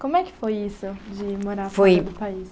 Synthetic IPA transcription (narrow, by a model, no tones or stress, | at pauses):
komʊɛkɪ̥fojisʊd͡ʒɪmoɾaɾffojd̪ʊpais